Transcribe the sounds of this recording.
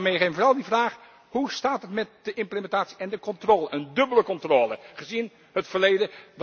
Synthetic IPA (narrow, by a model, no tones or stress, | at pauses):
mejχɪmvɔːrɑlˠdivraːχ | hustaːtɦətmɛt̚d̥əʔɪmpləmɛntaːtsi̥ɛndəkɔntroːləʔəndɵbələkɔntroːləχəzin | hətfəɹlejdəd